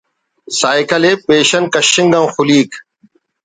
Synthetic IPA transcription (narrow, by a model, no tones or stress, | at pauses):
saːɪkəleːpeːʃənkəʃɪ̃ŋɡãːxʊliːk